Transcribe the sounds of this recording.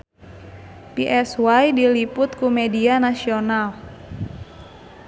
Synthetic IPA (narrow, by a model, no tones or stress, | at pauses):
piʔɛswajdilipʊt̪̚kumedianasional